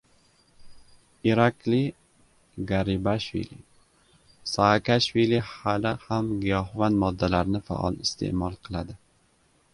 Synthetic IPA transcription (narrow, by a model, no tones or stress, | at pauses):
iɾakli | ɡaɾibaʃvḭlḭ | sakaʃvilihalɪhamɡɒhvanmɒd̪ːalaɾnɪfa̰ʔɒ̰lˠɪst̪ʰḛʔmɒlˠqʰɨlˠad̪ɪ